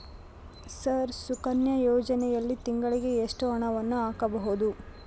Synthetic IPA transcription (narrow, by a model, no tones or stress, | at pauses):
sɐɾsukɐnjɐjɔːd͡ʒɐnɛjɐlːit̪iŋɡɐɭiɡe̞eʂʈuɦɐɳɐʋɐnːuaːkɐbɐɦud̪u